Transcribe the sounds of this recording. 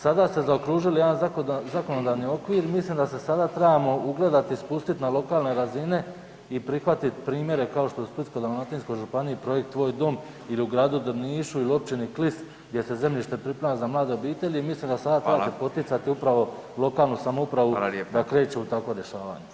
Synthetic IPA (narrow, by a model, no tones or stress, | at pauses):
sad̪ast̪e̞zaokɾuːʒiljed̪anzakozako̞nod̪aːʋnio̞kʋiːɾmislimd̪ase̞sad̪at̪ɾebamo̞uɡle̞d̪at̪ispust̪it̪nalo̞kaːlne̞ɾazine̞ | ipɾixʋat̪it̪pɾiːmje̞ɾe̞kaoʃt̪o̞usplit̪sko̞jd̪aonat̪insko̞jʒupaniipɾo̞je̞k̚t̪ːʋo̞ːjd̪o̞m | iliuɡɾaːd̪ud̪niːʃuilio̞p̚t͡ʃiniklis | ɡd̪je̞se̞ze̞mʎiʃt̪e̞pɾipɾemazamlˠaːd̪e̞o̞biːt̪e̞ʎiimislimd̪asad̪at̪ebasepo̞t̪it̪sat̪iupɾaʋo̞ | lˠo̞kaːlˠnusamoupɾaʋud̪akɾe̞ːt͡ʃeut̪akʋo̞ɾje̞ʃaːʋa̰ːɲe